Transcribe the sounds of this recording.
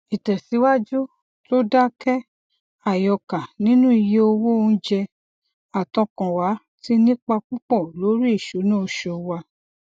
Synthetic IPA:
i˨tɛ˨si˨˦wa˦d͡ʒu˦ | to˦da˦kɛ˦ | a˨jɔ˧ka˨nĩ˦nũ˦i˧je˧o˧wo˦o˧ñ̩˦d͡ʒɛ˧ | a˨tɔ̃˨˧kã˨wa˨˦ | ti˦nĩ˦k͡pa˧k͡pũ˦k͡pɔ˦˨lo˨˦ɾi˦i˦˨ʃo˨˦nãː˦˧˨ʃɔ˧˨wa˧

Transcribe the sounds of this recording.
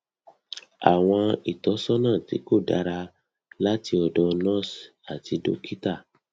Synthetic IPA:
a̰˨w̃ɔ̃˧i˨tɔ˨˦sɔ˦nã˦˨tḭ˨˦ko˦˨da̰˧˦ɾa˧ | la˦ti˧ɔ˨dɔ˧nɔ̃˦˨s | a˨ti˧do̰˦kʰi˦ta˦˨

